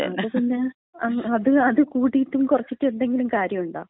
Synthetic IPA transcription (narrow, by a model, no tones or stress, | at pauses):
ḛɐɐt̪ɐnːe | ɐɐðɨɐðɨkuːɽiitːumkurɐt͡ɕːiʈːɨe̞nd̪e̞ŋɡilumkaːɾjɐmuɳɖa̰ː